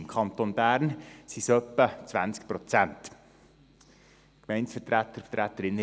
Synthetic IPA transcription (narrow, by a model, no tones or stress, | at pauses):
mkʰɑnt̪onbæːɾnsisœpːət͡sʋænsk̚pɾot͡sænt | kmɛɪnsfətɾæt̪əftɾæt̪ːəɾɪnː